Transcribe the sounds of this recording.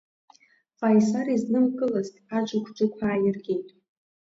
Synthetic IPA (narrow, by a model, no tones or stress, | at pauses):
fajsaɾiznɨmkʼɨlaztʼad͡ʒʷakʷʰd͡ʒʷʊkʷʰaːjɪrɡʲejtʼ